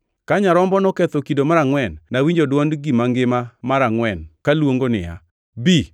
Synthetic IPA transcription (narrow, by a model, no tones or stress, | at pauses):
kaɲaɾɔmbɔnɔkɛt̪okidomaɾaŋwɛnːawiɲd͡ʒodwɔndɡimaŋɡɪmamaɾaŋwɛnkalwoŋɡonɪ̰ja̰ | bi